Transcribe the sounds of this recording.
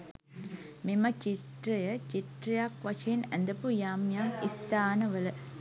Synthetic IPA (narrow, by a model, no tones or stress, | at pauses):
mimɐt͡ʃiʈɾɐjɐt͡ʃiʈɾɐjaːkʋɐt͡ʃʰeːnɐnd̪ɐpujaːmjaːmist̪aːnɐʋɐlɐ